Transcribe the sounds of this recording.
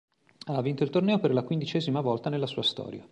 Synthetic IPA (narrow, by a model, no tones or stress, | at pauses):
avːint̪oilt̪ornɛːoperlakwind̪it͡ʃɛːzimavɔlt̪anelːasuːast̪ɔ̰ːɾja̰